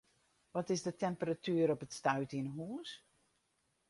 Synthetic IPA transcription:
ʋɔtɪzdətɛmpəratʰyəɾɔpətstœɥtinɦuːs

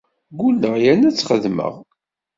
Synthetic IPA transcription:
ɡulːəʁjænæt͡sːχəðmə̰ʁ

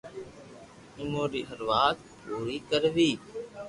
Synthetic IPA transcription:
ɪmoːɾiːɦəɾʋaːt̪ | ɾuːɾiːkəɾʋiː

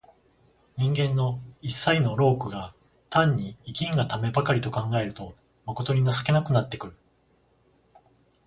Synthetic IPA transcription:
ɲ̟ĩŋɡẽ̞nːo̞isːaino̞ɾo̞ːkɯ̟ɡa | t̪ãɲ̟ːiːkʲĩŋɡat̪ame̞bakaɾʲit̪o̞kãŋɡae̞ɾɯ̟t̪o̞ | mako̞t̪o̞ɲ̟inasɨ̥ke̞nakɯ̟nat̪ːe̞kɯ̟ɾɯ̟

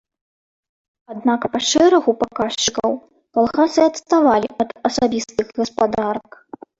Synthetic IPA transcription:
ad̪nakpaʂɛɾɐɣupakaʂt͡ʃɨkɐw | kalˠɣasɨɐt̪st̪avalʲiʔɐd̪ɐsabʲist̪ɨɣɣɐspad̪aɾɐk

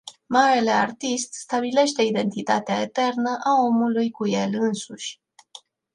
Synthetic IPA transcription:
maɾe̞le̞a̰rt̪ist̪st̪abile̞ʃt̪e̞id̪e̞nt̪it̪a̰t̪eae̞t̪e̞rnəʔao̞mulujkuje̞lɨnsuʃʲ

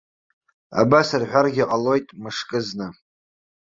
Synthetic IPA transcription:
a̰basarħʷᶣarɡʲɪqʼalo̞jtʼmɨʂkʼɨznɨ

